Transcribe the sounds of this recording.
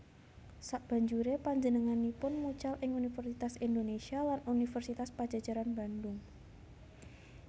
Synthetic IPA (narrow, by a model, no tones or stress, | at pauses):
saʔb̥ä̤ɲd͡ʒuɾepaɲd͡ʒənəŋanipʊnmut͡ʃalʔɪŋunifɛrsit̪asind̪onesialanunifərsit̪aspad̥d͡ʒ̥a̤̥d͡ʒ̥a̤ɾanb̥a̤nd̪ʊŋ